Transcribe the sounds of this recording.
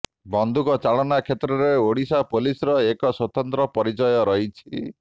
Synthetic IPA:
bɔnd̪ʱukɔt͡ʃaɭɔnakʰet̪ɾɔɾeoɽisapolisɔɾɔekɔswɔt̪ɔnt̪ɾɔpɔɾit͡ʃɔjɔɾɔɦit͡ʃʰi

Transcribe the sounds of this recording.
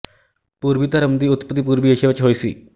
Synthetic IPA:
puɾbit̪ɐɾəmd̪iːut̪pət̪ip̬uɾbieɕeʋɐt͡ɕɦojsḭː

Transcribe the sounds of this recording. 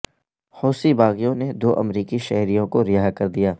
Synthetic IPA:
hoːsibaːɣijõned̪oːʔɐ̰mɾiːkiʃɛɦɾijõkoɾɪjaːɦkɐɾd̪ijaː

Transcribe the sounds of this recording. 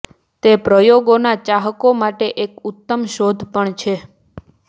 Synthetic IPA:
t̪epɾəjoɡonat͡ʃaɦəkomaʈeʔekut̪ːəmʃod̪ʱpəɳt͡ʃʰe

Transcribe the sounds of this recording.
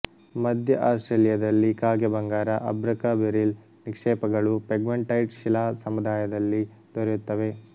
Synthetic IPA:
mɐd̪ʱjɐʔaːsʈɾelijɐd̪ɐlːikaːɡɛbɐŋɡaːɾɐʔɐbɾɐkabeɾil | nikʂɛːpɐɡɐɭupeɡmeɳʈɐjʈʃilaːsɐmud̪aːjɐd̪ɐlːi | d̪̥ɔɾjut̪ːɐʋe̞

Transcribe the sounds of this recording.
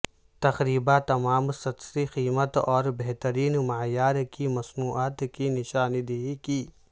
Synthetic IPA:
t̪ɐxɾiːbat̪ɐmaːmsɐt̪siqiːmət̪ɔːɾbeɦt̪əɾiːnmaːjaːɾkimɐsnuːʔaːt̪kinɪʃaːnd̪eɦikiː

